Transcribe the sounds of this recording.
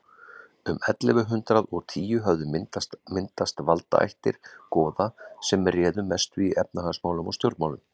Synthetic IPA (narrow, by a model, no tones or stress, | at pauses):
ʏmɛt̪lɛvʏɦʏnt̪ɾaðɔɣt̪ʰiːjʏɦœvðʏmɪnt̪ast̪mɪnt̪ast̪valt̪a̰ʔa̰jht̪ɪ̰ɾ̥kɔːðasɛmɛrjɛːðʏmɛst̪ʏiɛp̚naɦansmaːwlʏmɔst̪jowɾt̪maːwlʏm